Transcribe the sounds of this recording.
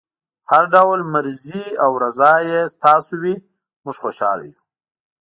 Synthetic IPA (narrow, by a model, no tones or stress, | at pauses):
haɾɖawlmaɾziawɾazɑːjest̪ɑːsowi | mʊʐxoːʃɑ̰ːla̰ju